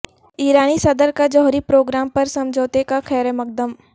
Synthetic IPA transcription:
iːɾaːnisɐd̪əɾkad͡ʒɔːɦɾipɾoːɡɾaːmpɐɾsɐmd͡ʒʱoːt̪ekakʰɛːɾemɐk̚d̪əm

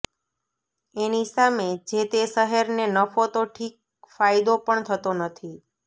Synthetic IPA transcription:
enisamed͡ʒet̪esəɦeɾnenəfot̪oʈʰik̚ | fajd̪opəɳt̪ʰət̪onət̪ʰi

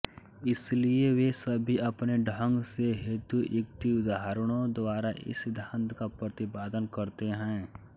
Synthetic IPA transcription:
ɪslieʋesɐbʱiɐpneɖʱə̃ŋɡseɦeːt̪uʔjɪk̚t̪iʊd̪aɦəɾəɽ̃õd̪ʋaːɾaʔɪ̰sɪd̪ʱaːnt̪kapɾɐt̪ɪbaːd̪ənkɐɾt̪eɦɛ̃ː

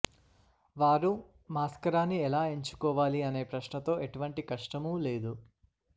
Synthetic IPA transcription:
ʋaːɾu | maːskɐɾaːnːiɛlaːe̞ɲt͡ʃu̥kɔːʋaːliɐne̞ːpɾɐʃɳɐt̪o̞ːʔe̞ʈuʋɐɳʈikɐʂʈɐmuːle̞ːd̪u

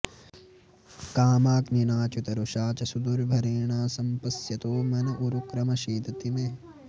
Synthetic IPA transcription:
kaːmaːkninaːt͡ʃut̪ɐɾuʃaːt͡ʃɐsud̪uɾbʱɐɾeːɳaːsɐmpɐsjɐt̪oːmɐnɐʔuɾukɾɐmɐʃiːt̪ɐt̪imeː

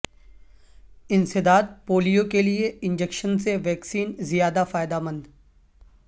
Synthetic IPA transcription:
ɪ̃nsɪd̪aːd̪̚poːlijokelieɪ̃nd͡ʒekʃənseʋɛːksiːnzijaːd̪afaːɪd̪amə̃nd̪

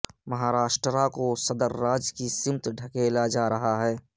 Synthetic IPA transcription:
məɦaːɾaːʃʈɾəɾakosəd̪əɾːaːd͡ʒkisɪmt̪ɖʱəkelad͡ʒaːɾɐɦaɦɛː

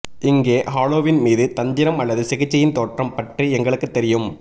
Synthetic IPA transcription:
ɪŋɡeːɦaːloːʋɪnmiːðɯt̪ɐnd̪ɪɾɐmɐlːɐðɯsɪɣɪt͡ʃːɐjɪnt̪oːʈrɐmpɐʈriɛŋɡɐɭɯkːɯt̪ːɛɾɪjɯm

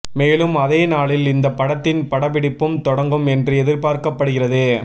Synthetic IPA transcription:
meːlɯmɐðeːnaːɭɪlɪnd̪ɐpːɐɽɐt̪ːɪnpɐɽɐbɪɽɪpːɯmt̪ɔɽɐŋɡɯmɛndrɯɛðɪɾpaːɾkɐpːɐɽɯɣɪrɐðeː

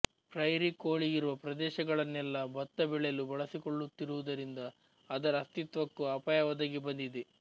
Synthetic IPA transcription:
pɾɐjɾikoːɭiɡiɾuʋɐpɾɐd̪ɛːʃɐɡɐɭɐnːɛlːɐbɐt̪ːɐbɛɭɛjɐlubɐɭɐsikoɭːut̪ːiɾuʋud̪ɐɾind̪ɐː | d̪ɐɾɐɐst̪it̪ʋɐkːuɐpaːjɐʋɐd̪ɐɡibɐnd̪id̪e

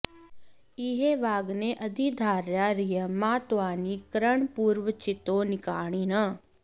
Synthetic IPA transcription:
ɪɦeːʋaːɡneːʔəd̪id̪ʱaːɾjaːɾɪjəmãːt̪ʊaːniːkəɾəɳpuːɾʋət͡ʃɪt̪õːnɪkaːɳ̃iːnə

